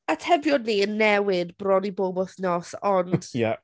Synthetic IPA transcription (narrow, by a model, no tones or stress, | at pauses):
atʰɛbjɔdnːiənːɛwɪdb̥rɔdibobɔθnɔsɔnd̥ja̰